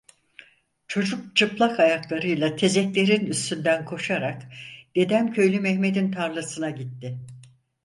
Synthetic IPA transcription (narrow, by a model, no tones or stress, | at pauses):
t͡ʃʰo̞d͡ʒuk̚t͡ʃʰɯplˠakajaklˠaɾɯjlˠat̪ʰe̞zɛclʲe̞ɾinyst̪ʰynd̪ænkʰo̞ʃaɾakd̪̥e̞d̪æmcʰø̞jlʲymɛhme̞d̪int̪ʰaɾlˠasɯnaɟit̪ːɪ